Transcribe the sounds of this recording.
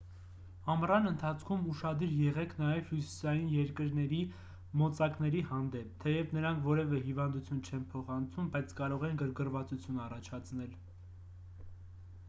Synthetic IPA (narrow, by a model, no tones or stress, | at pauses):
ɑmrɑnənt̪ʰɑt͡sʰkʰumuʃɑd̪iɾjɛʁɛkʰn̪ɑjɛv̥husi̥sɑjinjɛɾkəɾnɛɾi | mɔt͡sɑknɛɾihɑnd̪ɛp̚ʰt̪ʰɛjɛvnəɾɑŋkʰvɔɾɛvɛɦivɑnd̪ut͡sʰjunt͡ʃʰɛnpʰɔχɑnt͡sʰumbɑjt͡sʰkɑɾɔʁɛnɡəɾɡərvɑt͡sut͡sʰjunɑrɑt͡ʃʰɑt͡sʰnɛl